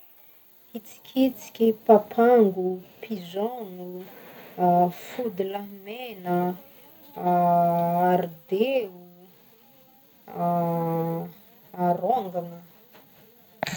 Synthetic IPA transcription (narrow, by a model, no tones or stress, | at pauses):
it͡si̥kʲʰit͡si̥kʲipapʰaŋɡupʰizɔnu | fud̪ulamenə | aɾid̪eu | aɾoŋɡanə